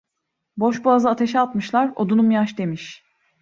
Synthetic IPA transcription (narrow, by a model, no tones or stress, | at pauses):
bo̞ʃbuazɯat̪ʰe̞ʃɛat̪mɯʃlˠaɾo̞d̪unumjaʃd̪e̞miʃ